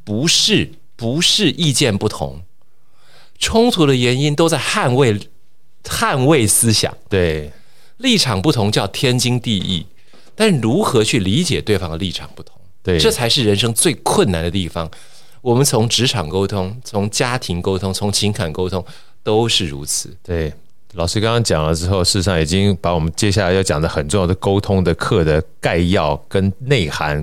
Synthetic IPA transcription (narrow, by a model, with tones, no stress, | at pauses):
pu˧˥ʂɻ̩˥˩ | pu˧˥ʂɻ̩˥˧ʔi˥˧t͡ɕjɛ˥˧npu˥˩t̪ʰʊ̰˧˥ŋ | ʈ͡ʂʰʊ˥ŋt̪ʰu˧˥d̪ə˧jɛ˧˥ni˥nt̪o˥ʊt͡sa˥˧ɪxa˥˧nwe˥˩ɪ | xa˥˧nwe˥˩ɪsɹ̩˥ɕjɑ̰˨˩˦ŋt̪e˩ | li˥˩ʈ͡ʂʰɑ˨˩ŋpu˥˩t̪ʰʊ˧˥ŋt͡ɕjɑ˥˩ʊt̪ʰjɛ˥nt͡ɕi˥ŋt̪i˥˧ḭ˥˩ | t̪a˥˧nʂɻ̩˥˩ɻu˧˥xɤ˧˥t͡ɕʰy˥˩li˧˥t͡ɕjɛ̰˨˩t̪we˥˩ɪfɑ˧˥ŋd̪ə˩li˥˩ʈ͡ʂʰɑ̰˨˩ŋpu˥˩t̪ʰʊ̥˧˥ŋt̪we˥˩ʈ͡ʂɤ˥˩t͡sʰa˧˥ɪʂɻ̩˥˩ɻə˧˥nʂɤ˥ŋt͡swe˥˧ɪkʰwə˥˩na˨˥nd̪ə˧t̪i˥˩fɑ˨˩ŋ | wɔ˨˩mə˦nt͡sʰʊ˧˥ŋʈ͡ʂɻ̩˧˥ʈ͡ʂʰɑ˨˩ŋko˥ʊt̪ʰʊ˥ŋt͡sʰʊ˧˥ŋt͡ɕja˥t̪ʰi˧˥ŋko˥ʊt̪ʰʊ˥ŋt͡sʰʊ˧˥ŋt͡ɕʰi˧˥ŋkʰa˨˩nko˥ʊt̪ʰʊ˥ŋ | t̪o˥ʊʂɻ̩˥˩ɻṵ˧˥t͡sʰɹ̩˨˩˦t̪we˥˩ɪ | lɑ˨˩ʂɻ̩˥kɑ˥ŋkɑ˥ŋt͡ɕjɑ˨˩ŋlə˦ʈ͡ʂɻ̩˥xo˥˧ʊʂɻ̩˥˩ɻ̩˧˩ʂɑ˥˩ŋi˨˩t͡ɕi˥ŋpa˧˥wɔ˨˩mə˦nt͡ɕjɛ˥ɕ̬ja˥˩la˧˥ɪjʊt͡ɕjɑ˨˩ŋd̪ə˦xə˨˩nʈ͡ʂʊ˥˧ŋjɑ˥˩d̪ə˩ko˥ʊt̪ʰʊ˥ŋd̪ə˨kʰɤ˥˩d̪ə˩ka˥˧ɪjɑ˥˩ʊkə˥nne˥˩ɪxa˧˥n